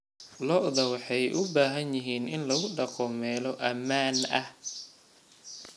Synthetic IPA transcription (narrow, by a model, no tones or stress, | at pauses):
lɔʔðɐwɑħɑjʔʊbaːɦɐnjɪɦiːnɪnlɐɣʊɖɑqɔmɛːlɔʔɐmaːnɐh